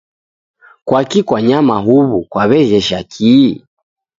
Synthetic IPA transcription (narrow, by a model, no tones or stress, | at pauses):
kwakikwaɲamaɦuβukwaβɛɣɛʃakʰi